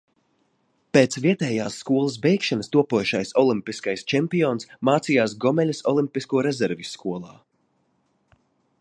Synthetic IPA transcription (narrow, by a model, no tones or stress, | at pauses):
peːt̪sviɛt̪ɛːjaːsːkuɔlˠɐs̬bɛjkʃanəst̪uɔpuɔjuʃajsɔlˠimpiskajst͡ʃɛmpijɔːnsmaːt̪sijaːs̬ɡɔmɛlʲsɔlˠimpiskuɔɾɛzɛɾvisːkuɔlˠaː